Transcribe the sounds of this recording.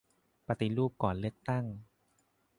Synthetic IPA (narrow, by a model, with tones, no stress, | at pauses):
pa˧t̪i˧˩ɾuː˥˩p̚kɔː˨˩nlɯ˥˩ək̚t̪a˥˩ŋ